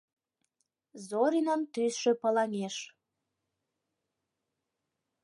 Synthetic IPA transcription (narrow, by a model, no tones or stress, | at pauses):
zoɾʲinənt̪ysʃøpəlɑŋeʃ